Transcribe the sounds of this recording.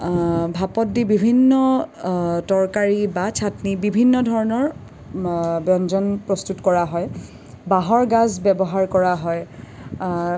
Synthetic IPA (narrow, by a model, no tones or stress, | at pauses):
bʱapɔt̚dibibʱinːɔ | tɔɹkaɹibat͡ʃʰatnibibʱinːɔdʱɔɹɔnɔɹ | bjɔnd͡ʒɔnpɹɔstutkɔɹaɦɔj | baɦɔɹɡazbɛbɔɦaɹkɔɹaɦɔj